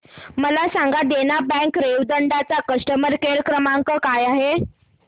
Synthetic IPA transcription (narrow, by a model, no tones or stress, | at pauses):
məlasaŋɡad̪enabɛ̃ŋkɾeʋd̪əɳɖat͡sakəsʈəməɾkeɾkɾəmaŋkəkajaɦe